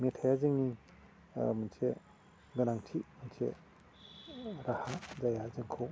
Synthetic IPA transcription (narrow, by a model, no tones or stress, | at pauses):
metʰajazɯŋni | mɯnsʰe | ɡɯnaŋtʰimənsʰḛ | ɾahazajazɯŋkʰɯ